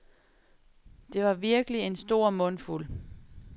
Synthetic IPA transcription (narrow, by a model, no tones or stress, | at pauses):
d̥e̝ʋɑ̈ʋiɐɡ̥əlie̝nsd̥o̝ɐ̰mɔ̽nful